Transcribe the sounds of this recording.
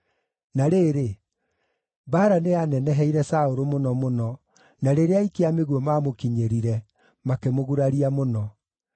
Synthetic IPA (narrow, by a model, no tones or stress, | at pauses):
naɾeɾe | baːɾaneanɛnɛɦɛiɾɛsaoɾomonɔmonɔ | naɾeɾeaikeameɣwɔmamokiɲeɾiɾɛ | makemoɣuɾaɾiamonɔ